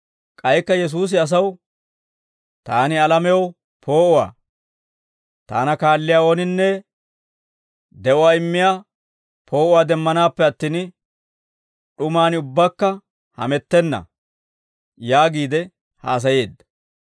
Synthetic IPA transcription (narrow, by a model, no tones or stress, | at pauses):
kʼɐjkːɐjɛs̬uːs̬ɪɐs̬ɐw | t̪aːnɪɐlɐmɛjɐw | pʰo̞ːʔʊwa̰ː | t̪a̰ːnɐkaːlːɪjaːɔnɪnːɛ | d̪ɛʔɔwaːɪmːɪjaː | pʰo̞ːʔʊwaːd̪ɛmːɐnaːpːɛɐt̪ːiːn | ɗʊmaːnʊbːakːɐ | hɐ̰mɛt̪ːɛnːɐ̰ | jaːɡiːd̪ɛ | ha̰ːs̬ɐje̞ːd̪ːɐ̥